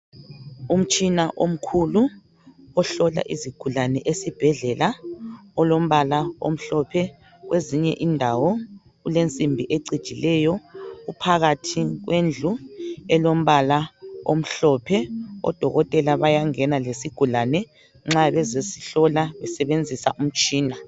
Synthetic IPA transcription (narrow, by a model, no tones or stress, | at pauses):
um̩t͡ʃʼinaʔom̩kʰulu | ɔɬɔla̰ʔiziɡ̥ʱulanɛʔesib̥ʱɛɮɛlaɔlom̩βalao̰m̩ɬɔpʰɛ | ɣweziɲɛ̰ʔindʱawɔ | ɣulent͡sʼimbʱiʔeǀid̥ʒ̥ʱilɛjɔɣupʰaɣatʰiɣwend͡ɮʱuɛlom̩βalao̰m̩ɬɔpʰɛɔ̰d̥ʱɔɣɔtʼɛlaβajaŋɛnalesiɡ̥ʱulanɛ | ŋ͡ǁaβɛzesi̥ɬɔlaβɛsɛβend͡zʱisaʔum̩t͡ʃʼiːna